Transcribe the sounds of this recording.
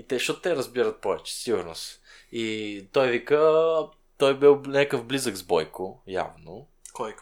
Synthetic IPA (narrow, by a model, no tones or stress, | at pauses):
it̪ɛʃɔt̪t̪ɛɾəzbiɾət̪̚pɔvɛt͡ʃɛ̥siɡʊɾno̰s | it̪ɔjvikə | t̪ɔjbilnʲakəfblizəɡzbɔjkʊja̰vno | kɔj